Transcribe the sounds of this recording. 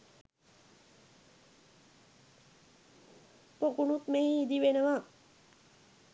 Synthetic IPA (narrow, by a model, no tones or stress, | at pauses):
pokunut̪meɦiid̪ibenəma